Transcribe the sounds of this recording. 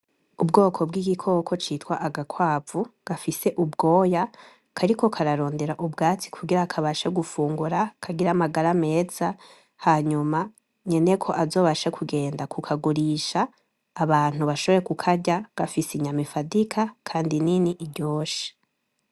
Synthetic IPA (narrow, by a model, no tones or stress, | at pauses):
ubɡo̞ːkʰo̞bɡiɡikʰo̞ːkʰo̞t͡ʃiːtwaʔaɡakʰwaːvuɡ̥afise̞ʔubɡo̞ːja | kʰaɾiko̞kʰaɾaɾo̞ːnde̞ɾaʔubɡaːt͡si̥kʰuɡiɾakʰaβaʃeɡufuːŋɡuɾakʰaɡiɾamaɡaɾame̞ːz̥a | haɲuma | ɲe̞ne̞kʰo̞ʔazo̞ːβaʃekʰuɡe̞ːndakukʰaɡuɾiʃaː | βaːn̥huβaʃoβeɾekukʰaɟaɡ̥afisiɲamifadikʰakʰaːndininiʔiɾɟo̞ːʃi̥